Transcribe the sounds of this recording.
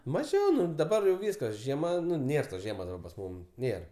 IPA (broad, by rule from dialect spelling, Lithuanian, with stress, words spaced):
mɐˈʒʲɛʊ ˈnʊ dɐˈbɐr jɛʊ ˈʋʲiːskɐs ʒʲiɛˈmɐ ˈnʊ ˈnʲeːr toːs ˈʒʲiɛmoːs dɐˈbɐ pɐs ˈmuːm ˈnʲeːr